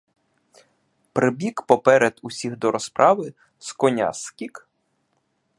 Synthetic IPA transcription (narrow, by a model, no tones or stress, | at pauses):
pɾɪbʲikpɔpɛɾɛd̪ʊsʲiɣd̪ɔɾɔspɾʔɑʋɪ | skɔnʲa̰skʲik